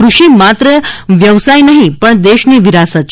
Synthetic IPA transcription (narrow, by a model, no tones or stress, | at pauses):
kɾuɕiːmat̪ɾəʋjəʋsajnaɦipəɳd̪eɕniːʋiɾasət̪